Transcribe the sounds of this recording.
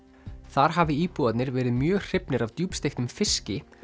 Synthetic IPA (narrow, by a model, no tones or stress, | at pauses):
θaɾ̥ɦavɪiːpuat̪nɪɾvɛːɾɪðmjœːɣr̥ɪpnɪɾavt̪juːpst̪ejxt̪ʏmfɪscɪ